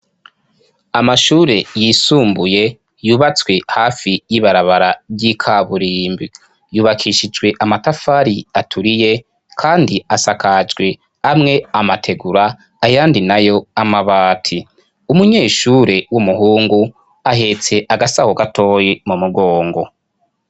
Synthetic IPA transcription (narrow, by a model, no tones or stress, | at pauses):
amaʃuːɾe̞jisuːmbuje̞ | juːβat͡swe̞haːfijiβaɾaβaɾabɟikʰaβuɾiːmbi | juːβakʰiʃid͡ʒɡwe̞ʔamatafaɾiatʰuɾije̞ | kʰaːndiasakad͡ʒɡwe̞ | amŋe̞amatʰe̞ɡuɾaː | jaːndinajo̞amaβaːtʰi | umuɲe̞ːʃuːɾe̞wumuɦuːŋɡu | aɦe̞t͡se̞ʔaɡasahoɡatʰo̞ːjimumuɡo̞ːŋɡo̞